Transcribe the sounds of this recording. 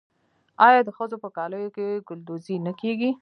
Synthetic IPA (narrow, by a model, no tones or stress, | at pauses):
ɑjɑd̪əxəzopəkɑləjokeɡʊld̪uzinəkeɡi